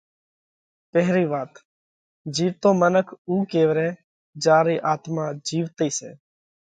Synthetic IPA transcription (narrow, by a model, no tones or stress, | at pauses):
pɛɦɾiːʋaːt̪ | d͡ʒiːʋt̪õːmənəkʰuːkeːʋɾɛ̃ː | d͡ʒaːɾiːʔaːt̪maːd͡ʒiːʋt̪iːsḛː